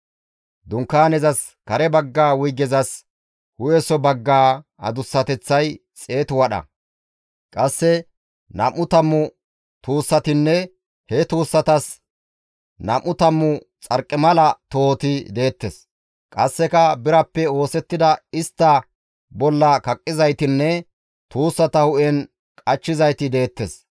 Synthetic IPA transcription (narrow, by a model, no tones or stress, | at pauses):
d̪ʊŋkːaːnɛzɐs | kɐɾɛbɐɡːaːwʊjɡɛzɐs | hʊjɛsɔbɐɡːaːɐ̰d̪ʊsːɐt̪ɛt͡sːɐj | t͡sʼe̞ːt̪ʊwɐɗɐ̰ | kʼɐsːɛ | nɐmːʊt̪ɐmːʊ | t̪uːsːɐt̪ɪnːɛ | hɛt̪uːsːɐt̪ɐs | nɐmʔʊt̪ɐmːʊ | t͡sʼɐɾkʼːɛmɐlɐt̪o̞ːt̪ɪd̪e̞ːt̪ːɛs | kʼɐsːɛkɐbɪɾɐpːɛo̞ːsɛt̪ːɪd̪ɐɪst̪ːɐ | bɔlːɐkɐkʼːɪzɐjt̪ɪnːɛ | t̪uːsːɐt̪ɐhʊʔɛn | kʼɐt͡ʃːɪzɐjt̪ɪd̪e̞ːt̪ːes